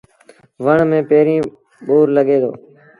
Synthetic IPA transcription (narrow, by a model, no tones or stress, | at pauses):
ʋəɳmẽːpeːɾĩː | ɓoːɾləɠeːd̪o̰ː